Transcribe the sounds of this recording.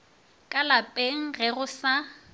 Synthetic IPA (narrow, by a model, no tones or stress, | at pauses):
kʼalapʼeŋ̩ɣɛɣʊsa